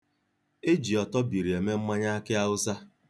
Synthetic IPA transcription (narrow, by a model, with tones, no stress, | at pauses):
e˦d͡ʒi˨ɔ˨tɔ˦bi˨ɾi˨e˨me˦m̩˦ma˦ɲa˦a˦kɪ˦a˦ʊ˦sa˦